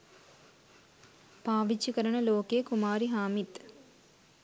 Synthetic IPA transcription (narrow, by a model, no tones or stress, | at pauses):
paːʋit͡ʃːikəɾəɳəloːkejːkumaːɾiɦaːmit̪